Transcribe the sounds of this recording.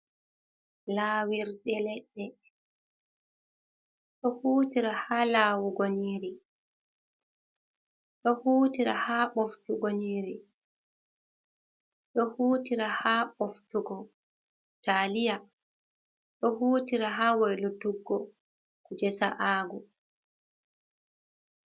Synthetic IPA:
laːwiɾdɛlɛɗːɛ | ɗɔhuːtiɾahaːlaːwuɡoniːɾi | ɔhuːtiɾahaːɓɔftuɡoniːɾi | ɗɔhuːtiɾahaːɓɔftuɡɔ | talija | ɗɔhuːtiɾaɦaːwɛjlutuɡːɔ | kud͡ʒɛsa̰ʔaːɡɔ

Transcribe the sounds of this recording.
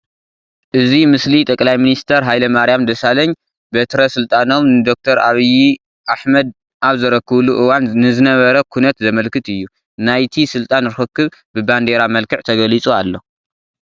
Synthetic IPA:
ʔɨzimɨslit̪ʼɐkʼlajminist̪ʰɐɾɦajlɐmaɾijamd̪ɐsalɐɲ | bet̪ʰɾɐsɨlt̪ʼano̞mnɨd̪o̞k̚t̪ʰɐɾaβiji | ʔaħmɐd̪̚ | ʔaβzɐɾɐkʰːɨβluʔɨwannɨzɨnɐβɐɾɐkʰunɐt̪zɐmɐlkɨt̪ɨjːu | najt̪ʰisɨlt̪ʼanɾɨxɨkːɨβbɨband̪eɾamɐlkʰɨʕt̪ʰɐɡɐlit͡sʼualːo̞

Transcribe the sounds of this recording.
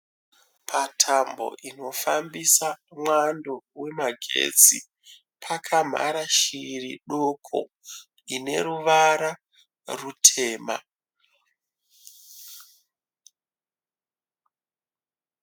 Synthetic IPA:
pʰatʰambo̞̰ʔino̞fambisamwando̞we̞maɡʱḛd͡zi | pʰakʰam̤a̰ɾaʃiriɗokʰo̰ | ine̞̰ɾuʋaɾa | rutʰe̞ːma̰

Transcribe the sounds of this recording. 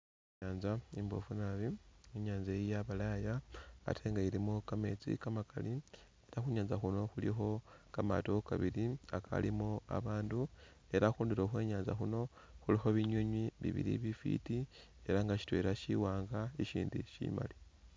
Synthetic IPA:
ɲaːnzaimbo̞̰funaβieɲaːnzaijaβalaja̰ːtʰe̞ːŋɡaiɾimukame̞ːt͡sḭkamakali | eɾaxuɲaːnzaxuno̞xulḭxo̞kama̰to̞kaβiɾiakʰa̰limua̰βaːndu | e̞ɾaxuːndiɾoːxwe̞ːɲaːnzaxuno̞ | xulixo̞βiɲweɲwiβḭβḭɾḭβifḭtie̞ɾaŋɡaʃi̥twe̞ɾaʃḭwaːŋɡaiʃiːndḭʃḭma̰li

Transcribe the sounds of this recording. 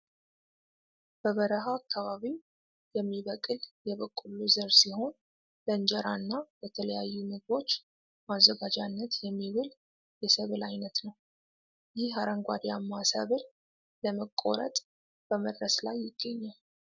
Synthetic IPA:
b̥əβəɾəɦaːkʰːaβaβi | jɛmːiβəkʼɨljɛβəkʼːuluzəɾsiho̞n | ləɨnd͡ʒɛɾanːabət̪ʰələjajːumɨɡβo̞t͡ʃː | mazːəɡad͡ʒanːət̪jɛmːiβɨl | jɛsəβɨlajnət̪nəw | jɪhaɾəŋɡʷa̰d̪ijamːasə̰βɨl | ləməkʼːo̰ɾə̰t̪ʼ | b̥əməd̪ɾəslajːɪɡ̥ːəɲːal

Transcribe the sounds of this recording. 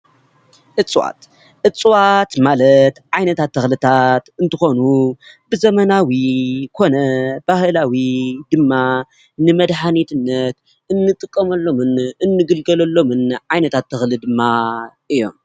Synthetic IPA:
ʔɨt͡sʼwa̰t̪ | ʔɨt͡sʼwat̪malɐt̪ʕajnɐt̪ʰat̪ʰːɐxlɨt̪ʰat̪ɨnt̪ʰɨxo̞nubɨzɐmɐnawikʰo̞nɐbahɨlawid̪ɨmːa | nɨmɐd̪ħanit̪ʰɨnːɐt̪ | ʔɨnːɨt̪ʼɨkʼːɐmɐlːo̞mɨnɨnːɨɡɨlɡɐlɐlːo̞mɨnʕajnɐt̪ʰat̪ʰːɨxlɨd̪ɨmːaʔɨjːo̞̰m

